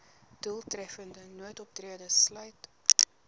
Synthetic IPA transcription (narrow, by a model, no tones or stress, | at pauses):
d̥ulˠtrɛfəndənuətɔp̚triədəslœɥt